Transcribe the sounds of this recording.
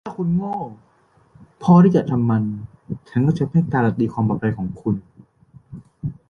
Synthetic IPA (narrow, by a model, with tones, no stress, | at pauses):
lʰaː˥˩kʰu˧nŋɔː˥˩ | pʰɔː˧t̪ʰiː˥˩t͡ɕa̰˨˩t̪ʰa˧mːa˧nt͡ɕʰa˥˩nkɔː˥˩t͡ɕʰa˥˩pʰa˥˩kaː˧la˧t̪̚iː˧kʰwaː˧mbɔː˨˩a˧jkʰɔː˩˦ŋkʰu˧n